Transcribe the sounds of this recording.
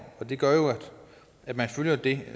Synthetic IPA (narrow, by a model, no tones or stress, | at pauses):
ɒ̽d̥e̝ɡ̥ɶɐjo̝æd̥ | æd̥mænføljɐd̥e̝